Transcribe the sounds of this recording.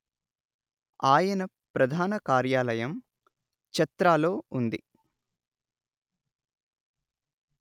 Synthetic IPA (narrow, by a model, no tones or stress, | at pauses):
aːjɐnɐ | pɾɐd̪ʱaːnɐkaːɾjaːlɐjɐm | t͡ʃɐt̪ɾaːlo̞ːund̪ḭ